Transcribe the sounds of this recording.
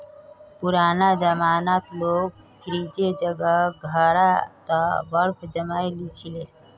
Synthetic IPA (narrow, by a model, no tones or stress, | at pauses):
puɾaːnad͡ʒəmaːnat̪loːɡ̚ | pʰɪɾid͡ʒed͡ʒəɡəɡʱəɾat̪əbəɾpʰd͡ʒəmaːjlit͡ʃʰile